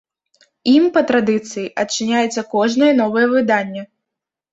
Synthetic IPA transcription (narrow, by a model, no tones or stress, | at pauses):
impɐt̪ɾad̪ɨt̪sɨjiʔɐt͡ʂːɨnʲajɛt̪sːɐkɔʐnɐjɐnɔvɐjɛvɨd̪anʲːɛ